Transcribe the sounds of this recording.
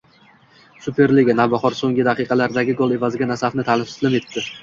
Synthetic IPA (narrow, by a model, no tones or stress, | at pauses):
sʊpʰe̞ɾlɪɡʲanavbaχɒɾsoŋɡʲɪd̪aqɨjqʰɑlaɾd̪aɡʲɪɡolˠe̞vazɪɡʲanasafnɪt̪ʰalɪsɪ̥slɪme̞t̪ːɪ